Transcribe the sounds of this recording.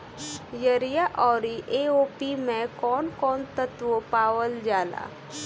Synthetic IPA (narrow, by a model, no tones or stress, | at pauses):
jəɾijaʔɔːɾiʔeːoːpimẽkɔːnkɔːnt̪ət̪ʋopaːwəld͡ʒaːla̰ː